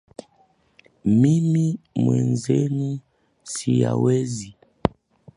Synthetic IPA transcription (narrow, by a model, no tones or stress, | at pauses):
mimimwɛnzenu | sija̰wɛzi